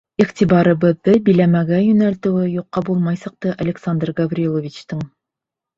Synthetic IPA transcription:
iχt̪ʲiβɑɾɤ̆βɤ̆ðːɤbijlæmæɡæjɵ̆nælt̪ɘ̆wɘjuqːɑbulˠmɑjsɑ̆q̚t̪ɤʔɐlʲɪksand̪rɡɐvrʲilˠovʲit͡ɕt̪ɤɴ

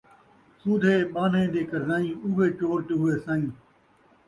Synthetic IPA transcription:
suːd̪ʱeːɓaːn̤ẽːd̪eːkəɾzaːĩːʊʋeːt͡ʃoːɾʈɦʊeːsãːĩː

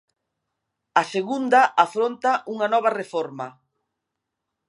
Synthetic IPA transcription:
ɐseɣund̪ɐʔafɾont̪aʔuŋɐnɔβ̞ɐrefɔɾmɐ̰

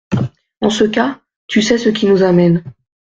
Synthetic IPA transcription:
ɑ̃səka | t̪ysɛsəkʲinuzamɛn

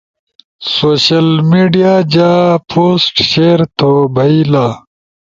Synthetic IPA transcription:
soːɕɐlmiːɖijaːd͡ʑaːpʰoːsʈɕeːɾt̪ʰobʱɐilaː

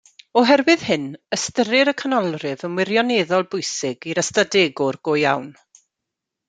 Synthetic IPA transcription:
ɔɦɛrwɨð̥hɨnəstəɾɪɾəkʰənɔlˠrɨvənwɪrjɔneðɔlˠbʊjsɪɡiɾəstadeːɡʊrɡ̥oja̰wn

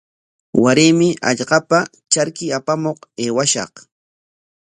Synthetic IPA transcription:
waɾɪmɪʔa̰ʎɢɑpa | t͡ʃaɾkɪapamoqeːwaʃɑ̰q

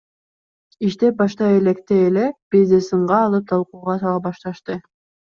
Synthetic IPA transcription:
iʃt̪ep̚bɑʃt̪ɑelekt̪eːleb̥izd̪esɯɴʁɑːlˠɯp̚t̪ʰɑlˠquːʁɑt̪ɑlˠɑbɑʃt̪ɑʃt̪ɯ

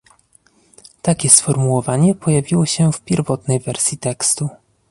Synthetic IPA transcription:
t̪akʲɛsfɔɾmuwɔvaɲɛpʰɔjavʲiwɔɕɛfpʲjɛɾvɔt̪nɛjvɛɾsʲjit̪ɛkst̪u

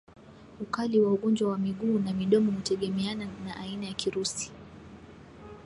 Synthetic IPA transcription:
ukaliwauɠɔnd͡ʒwawamiɠuːnamiɗɔmɔhutɛɠɛmɛananaʔainajakiɾusi̥

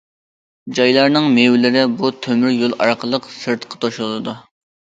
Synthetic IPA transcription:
d͡ʒɑjlˠɑɾnɨŋmewlɪɾɪbut̪ʰømyɾjolˠɑ̰ɾqʰəlˠəqsɨɾt̪qʰɑ̥t̪ʰoʃulˠɨlˠɨd̪u

